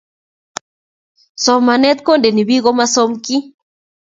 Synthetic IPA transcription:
sɔ˨ma˨nɛ˦t̪̚ko˦nde˨ni˨βi˦ɣɔ˦ma˦sɔ˦mki˦

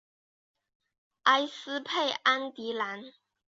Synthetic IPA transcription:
ʔa˥ɪsɹ̩˥pʰe˥˩ɪʔa˥nt̪i˨˧˥la˧˥n

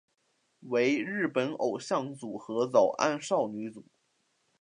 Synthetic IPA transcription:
we˧˥ɪɻɻ̩˥˩pə˧˥no˨˩ʊɕjɑ˥˩ŋt͡su˨˩xɤ˧˥t͡sɑ˨˩ʊʔa̰˥˧nʂɑ˥˩ʊny˧˥t͡su˨˩˦

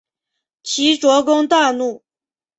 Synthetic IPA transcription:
t͡ɕʰi˧˥ʈ͡ʂwɔ˧˥kʊ˥ŋt̪a˥˧nu˥˩

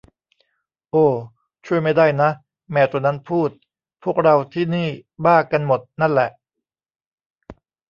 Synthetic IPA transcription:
ʔoː˧˩ | t͡ɕʰu˥˩əjma˥˩jda˥˩jna˦˥ʔ | mɛː˧˩t̪u˧ɐna˦˥npʰuː˥˩t̪̚ | pʰu˥˩ək̚ɾa˧wt̪ʰiː˥˩niː˥˩baː˥˩ka˧nmo˨˩t̪̚na˥˩nlɛ˨˩ʔ

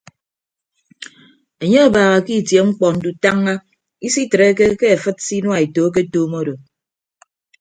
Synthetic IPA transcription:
e˨ɲe˦a˦˨baː˨ɣa˨ki˦˨tje˨ŋ͡m̩˦k͡pɔ˨n̩˨du˨ta˦ŋːa˦ | i˦si˦tɨ˨ɾe˦ke˦ke˦a˨fɨ˦t̚si˦n˦a˨e˨to˨˦k̬e˦toː˦mo˦do˨

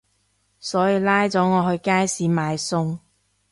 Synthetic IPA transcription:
sɔː˨˥jiː˨˧laː˥jt͡sɔː˨˥ŋɔː˨˧ɦɵ˧ɥkaː˥jsiː˨˥maː˨˧jsʊ˥ŋ

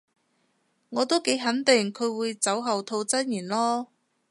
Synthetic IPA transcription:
ŋɔː˨˧t̪o˥wke˨˥jɦɐ˨˥nt̪ɪ˨˩ŋkʰɵ˨˧ɥwuː˨˧jt͡sɐ˨˥wɦɐ˨wt̪ʰo˧wt͡sɐ˥njyː˨˩nlɔː˥

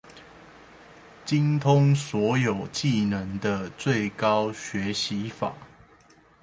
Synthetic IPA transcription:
t͡ɕi˦ŋt̪ʰʊ˦ŋswɔ˨˦jo˨˩ʊt͡ɕi˥˨nə˨˦ŋd̪ə˧t͡swe˥˨ɪkɑ˦ʊɕɥɛ˨˦ɕi˨˦fa̰˨˩˦

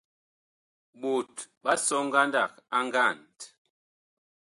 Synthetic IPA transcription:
ɓo˨tɓa˦sɔ˦ŋ˦ɡa˦nda˦˨k̚a˦ŋɡa˦˨nt

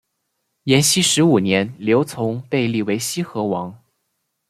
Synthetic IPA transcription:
jɛ˧˥nɕi˥ʂɻ̩˧˥u˨˩njɛ˧˥nljo˧˥ʊt͡sʰʊ˧˥ŋpe˥˧ɪli˥˩we˧˥ɪɕi˥xɤ˧˥wɑ˧˥ŋ

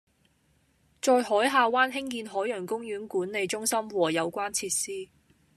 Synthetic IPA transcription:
t͡sɔː˧jɦɔː˨˥jɦaː˨˧waː˥nɦɪ˥ŋkiː˧nɦɔː˨˥jœ˨˩ŋkʊ˥ŋjyː˨˥nkuː˨˥nle˨˧jt͡ʃʊ˥ŋsɐ˥mwɔː˨jɐ˨˧wkʷwaː˥nt͡sʰiː˧t̚siː˥

